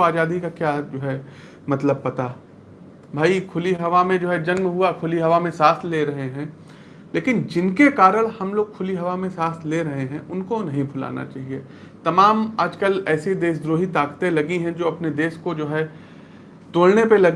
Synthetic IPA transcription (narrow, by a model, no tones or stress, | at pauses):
oaːd͡ʒaːd̪ikakjaːd͡ʒoːɦɛ | mɐt̪ləb̚pɐt̪a | bʱaːikʰʊliɦɐʋamẽd͡ʒoːɦɛd͡ʒɐnmɦʊakʰʊliɦɐʋamẽsaːsleɾɐɦeɦɛ̃ː | leːkɪnd͡ʒɪnkekaːɾəɽ̃hɐmloːɡ̚kʰʊliɦɐʋamẽsaːst̪leɾɐɦeɦɛ̃ʔʊnkonɐɦĩbʱʊla̰ːna̰t͡ʃa̰ːɦie | t̪ɐmaːmaːd͡ʒkəlɛːsid̪eːsd̪ɾoːɦit̪aːkt̪elɐɡiɦɛ̃d͡ʒoːɐpned̪eːskod͡ʒoːɦɛ | t̪oːlnepelɐɡ